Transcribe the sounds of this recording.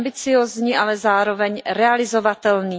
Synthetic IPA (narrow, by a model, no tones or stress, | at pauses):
bɪt͡sɪjoːzɲiːʔalɛzaːɾo̞vɛɲɾɛalɪzo̞vat̪ɛlniː